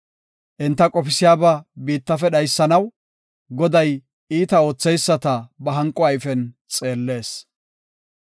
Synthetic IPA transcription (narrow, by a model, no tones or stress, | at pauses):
ʔɪnt̪ːɐkʼɔpɪsɪjaːbɐbiːt̪ːɐfɛɗɐjsːɐnɐw | ɡɔd̪ɐj | ʔiːt̪ɐo̞ːt͡sːɛjsːɐt̪ɐbɐɦɐŋkʼɔɐjfɛn | t͡sʼe̞ːlːe̞ːs